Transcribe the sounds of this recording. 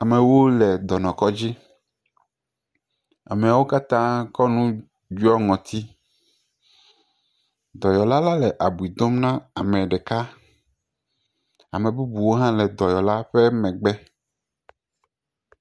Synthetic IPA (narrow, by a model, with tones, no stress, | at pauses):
a˨mɛ̃˨wo˦lɛ˨d̪ɔ˨nɔ̃˨kɔ˦d͡ʑi˦ | a̰˨me˨a˨wo˦ka˦t̪ã˦kɔ˦nũ˦ | d͡ʒu˦ɔ˦ŋɔ̃˨t̪ʰi˦ | d̪ɔ˨jɔ˨la˦la˦lɛ˨ʔa˨bu˨i˨d̪o˦mnã˦a˨mɛ̃˨ɖɛ˨ka˦ | a˨mɛ̃˨bu˦bu˨wo˦ɦã˦lɛ˨d̪ɔ˨jɔ˨la˦ɸɛ˦mɛ̃˨ɡ͡bɛ˦